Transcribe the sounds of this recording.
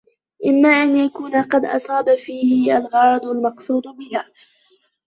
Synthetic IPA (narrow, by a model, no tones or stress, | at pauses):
ʔɪmːaːʔanjakuːnaqɑd̪ʔɑ̰sˤɑːbafiːhɪʔalɣɑɾˤɑd̪ˤʊlmɑqsˤuːd̪bɪhaː